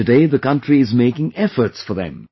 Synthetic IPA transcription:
ɨdeɪðəkʌ̃ntɹiɪzmeɪkɪ̃ŋɛfə˞tsfə˞ðɨ̰̃m

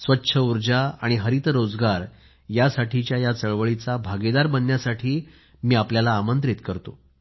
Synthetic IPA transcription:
sʋətːɕʰəuɾd͡ʑaaɽ̃iɦəɾit̪ɾod͡zɡaɾ | jasaʈʰit͡ɕjajat͡səɭʋəɭit͡sabʱaɡed̪aɾbənːjasaʈʰiː | miːapljalaːmənt̪ɾit̪kəɾt̪o

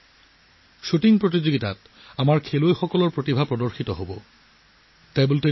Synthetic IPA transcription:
ʃutiŋpɹotid͡ʑoɡitat | amaɹkʰelojxɔkɔlɔɹpɹotibʱapɹɔdɔɹxitɔɦobɔ | tajbolte

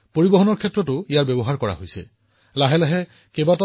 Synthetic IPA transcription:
poɹibɔɦɔnɔɹkʰɛtːɹɔtʊijaɹbɛbɔɦaɹkɔɹa̰ɦojsɛ̰ | laɦɛlaɦɛ | kebat

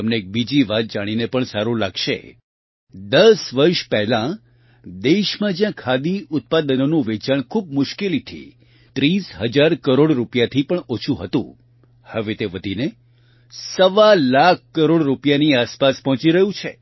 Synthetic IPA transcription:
əmneek̚bid͡ʒiʋat̪̚d͡ʒaɽ̃inepəɳsaɾũlaɡʃḛ | d̪əsʋəɾʃpɛɦlã | d̪eʃmãd͡ʒjãkʰad̪iʊt̪̚pad̪ənonũʋet͡ʃaɳkʰub̚mʊʃkelit̪ʰḭ | t̪ɾisɦəd͡ʒaɾkəɾoɽɾupjat̪ʰipəɳot͡ʃʰũɦət̪ṵ̃ | həʋet̪eʋəd̪ʱine | səʋalak̚ʰːəɾoɽɾupjaniaspaspɔɦt͡ʃiɾəɦjũt͡ʃʰe

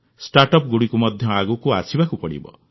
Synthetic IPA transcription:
sʈaɾʈɔp̚ɡuɽikumʌd̪ʱjʌaɡukuasʰibakupɔɽḭbʌ̰

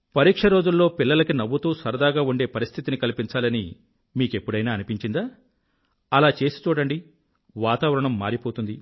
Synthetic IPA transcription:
pɐɾiːkʂɐɾo̞ːd͡ʒulːo̞ːpilːɐlɐkinɐʋːut̪uːsɐɾɐd̪aːɡaːuɳɖe̞ːpɐɾist̪ʰit̪inikɐlipiɲt͡ʃaːlɐni | miːke̞pːuɽɐjnaːɐnipiɲt͡ʃind̪aː | ɐlaːt͡ʃe̞ːsi̥t͡ʃuːɽɐɳɖi | ʋaːt̪aːʋɐɾɐɳɐmːaːɾipo̞ːt̪und̪i

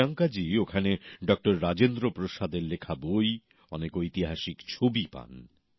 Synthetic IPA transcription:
aŋkad͡ʑiokʰaneɖɔk̚ʈoɾːad͡ʑend̪ɾopɾoʃad̪eɾlekʰaboj | ɔnekojt̪iɦaʃikt͡ɕʰobipa̰n

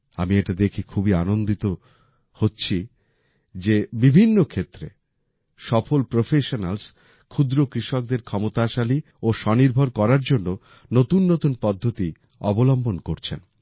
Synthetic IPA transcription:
a̰mieʈad̪ekʰikʰubianond̪it̪o | hotːɕʰi | d͡ʑebibʱinːokʰet̪ːɾe | ʃɔfolpɾofʰeʃonals | kʰud̪ɾokɾiʃok̚d̪eɾkʰɔmot̪aʃali | oʃɔniɾbʱoɾkɔɾaɾd͡ʑonːo | not̪unːot̪unpɔd̪ʱːot̪i | ɔ̰bolɔmbonkoɾt͡ɕʰḛn

